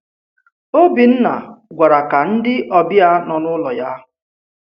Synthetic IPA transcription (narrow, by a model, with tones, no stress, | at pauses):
o˦bi˨n̩˦na̰˨ɡʷa˨ɾa˨ka˨n̩˦dɪ˦ʔɔ˨bja˦nɔ˨nʊ˦lɔ˨ja˦